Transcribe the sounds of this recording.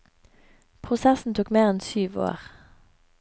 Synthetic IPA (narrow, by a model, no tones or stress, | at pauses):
pʰʁʊsɛsn̩t̪ʰuːkmeːʁɛnsyːʋo̰ːʁ